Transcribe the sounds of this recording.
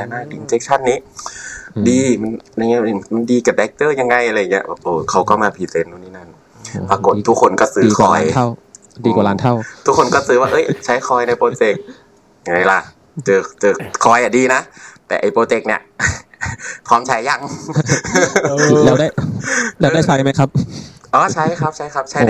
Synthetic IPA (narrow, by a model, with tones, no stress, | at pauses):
a˧˩naː˧˩i˨˩˨nt͡ɕe˦˥k̚t͡ɕʰa˧˥˨nːiː˦˥ | diː˧ma˧˥˨nja˧˩ŋ˧˦˥ma˧˥˨ndiː˧ka˨˩dɛ˨˦˥k̚t̪ɤː˧˩˨ja˧ŋːa˧jʔa˧a˧ja˨˩ŋːi˦ɐ˧bɛː˨˩p̚ʔɤː˧˩kʰa˧˩wkɔː˥˩maː˧pʰiː˨˧˩se˧t̪̚ːuː˧˩niː˧˥˩na˧˥˨n | paː˧ko˨˩t̪ʰːu˦˥kʰo˧nkɔ˧˥˩sɯː˦˧kʰɔː˧˩jw | iː˧˨˧a˧˦nʰa˥˩t̪ʰu˦˥kʰːo˧nkɔː˥˩sɯː˧˦waː˧ʔɤ˦˥˩jt͡ɕʰa˦˥jkʰɔː˧jna˧jpɾoː˧t͡ɕe˧k̚ | ja˧ŋa˧˩jla˧˩ | t͡ɕɤː˧˩t͡ɕɤː˧˩kʰɔː˧˩jʔa˨˩diː˧na˦˥t̪ɛ̰ː˨˩ʔa˨˩jpoː˧t͡ɕe˧˥k̚ni˧˩ɐʔ | pʰɔː˧˥˩mt͡ɕʰa˦˥ja˧ŋ | lɛː˧wda˥˩jlɛː˦˧da˥˩jkʰa˧˦jma˦˥jkʰa˦˥p̚ʔɔː˧˩t͡ɕʰa˦˥jkʰa˦˥p̚t͡ɕʰa˦˥jkʰa˦˥p̚t͡ɕʰa˥˩